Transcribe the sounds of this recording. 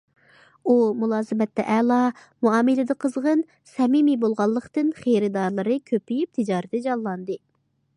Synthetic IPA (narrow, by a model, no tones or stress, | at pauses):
umulˠɑːzɨmɛt̪ːɛʔɛlˠɑmuɑːmɨlɪd̪ɨqʰəzʁən | sɛmimibolˠʁɑlˠːəqt̪ɨnχejɾɪd̪ɑɾlˠɨɾɨkʲʰøpijip̚t̪ʰid͡ʒɑːɾɪd̪ɛd͡ʒɑlˠlːˠɑnd̪ɨ